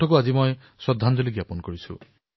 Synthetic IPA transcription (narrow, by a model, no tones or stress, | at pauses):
ɔkuazimoj | swɔd̪ʱːand͡ʒɔliɡjapɔnkɔɹisʰṵ